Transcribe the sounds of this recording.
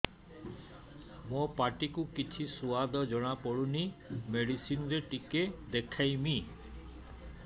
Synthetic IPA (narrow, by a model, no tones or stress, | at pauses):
mopaʈikukit͡ʃʰisuad̪ʱɔd͡ʒɔɽ̃apɔɽunimeɽisinɔɾeʈiked̪ekʰajmi